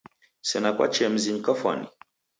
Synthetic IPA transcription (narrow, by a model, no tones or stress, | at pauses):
sɛnakwa̰t͡ʃɛm̩ziɲikafwa̰nḭ